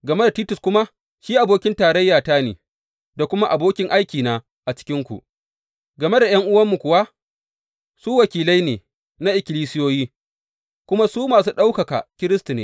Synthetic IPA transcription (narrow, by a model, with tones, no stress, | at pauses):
ɡɐ˨me˦da˨tiː˦tʊ˨skʷʊ˦ma˦ | ʃiː˦ʔa˨boː˦kʲɪ˦ntaː˨ɾɐ˦jːaː˨taː˦nḛː˨ | da˨kʷʊ˦ma˦ʔa˨boː˦kʲɪ˦ŋʔa˦jkʲiː˨naː˦ | ʔa˨t͡ʃɪ̥˦kʲɪ˦ŋkʷṵ˨ʔ | ɡɐ˨me˦da˨j̰ɐ˦ŋʔʊ˦wɐ˦mːu˨kʷʊ˨wa˦ | suː˦wɐ˨kʲiː˨la˦jneː˨ | na˦ʔɪ˨kʲɪ˨liː˦sɪ˦joː˦jiː˦ | kʷʊ˦ma˦suː˦maː˨s̬uː˦ɗa˦wkɐ˨ka̰˨kʲɪ˦ɾɪ˦stu˨nḛː˦